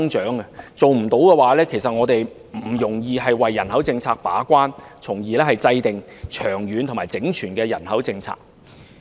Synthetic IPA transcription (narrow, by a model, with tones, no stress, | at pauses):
ŋt͡ʃœː˨˥ŋɐ˧t͡so˨wm̩˨˩t̪o˨˥wkɛː˧waː˨˥lɛː˥kʰe˨˩js̬ɐ˨t̚ŋɔː˨˧t̪e˨j | m̩˨˩jʊ˨˩ŋjiː˨ɦɐ˨jwɐ˨jːɐ˨˩nhɐ˨˥wt͡sɪ˧ŋt͡sʰaː˧k̚pa̰ː˨˥kʷaː˥nt͡sʰʊ˨˩ŋjiː˨˧lɛː˥hɐ˨jt͡sɐ˧jt̪ɪ˨ŋt͡ʃʰœː˨˩ŋjyː˨˧nt̪ʰmaː˨˩jt͡sɪ˨˥ŋt͡ʃʰyː˨˩nkɛː˧jɐ˨˩nhɐ˨˥wt͡sɪ˧ŋt͡sʰa̰ː˧k̚